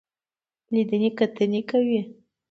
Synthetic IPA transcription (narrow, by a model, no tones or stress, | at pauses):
lid̪ənekat̪ənekawi